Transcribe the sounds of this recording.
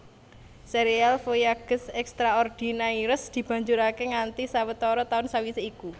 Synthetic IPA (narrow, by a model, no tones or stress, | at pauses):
seɾialfojaɡ̥ə̤sɛkst̪ɾaɔrd̪̥i̤naiɾəsd̪̥i̤b̥ä̤ɲd͡ʒuɾakeŋant̪isawət̪ɔɾɔt̪aʊnsawiseiku